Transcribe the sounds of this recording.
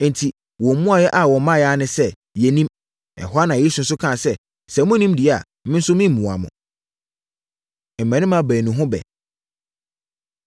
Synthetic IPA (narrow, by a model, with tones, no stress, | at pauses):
n̩˨tʰi˨ | wɔ̃˨mũ˦a˨jɛ˦ʔa˨wɔ˨˦mã˦jɛ˦a˦nɪ̃˨sɛ˦ | jɛ˨nĩ˦m | ɛ̰˨hɔ˦a˦nã˨ɛ˦sũ˨n̩˨˦sʊ˦kʰã˦˨sɛ˦ | sɛ˨mʊ̃˦nĩ˦mdi˨˦˨a˨˦mɪ̃˦n̩˦sʊ˦mɪ̃˦m˨mũ˨a̰˨mʊ̰̃˨ | m̩˨mæ̃˨nɪ̃˦mã˦bæ˨nũ˨ɦʊ̃˦bɛ̰˨